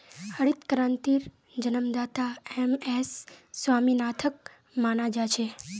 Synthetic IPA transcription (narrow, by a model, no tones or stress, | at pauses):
əɽit̪kɾãnt̪iɾ | d͡ʒənəmd̪at̪aemesːʋaminat̪ʰək̚ | manad͡ʒat͡ʃʰe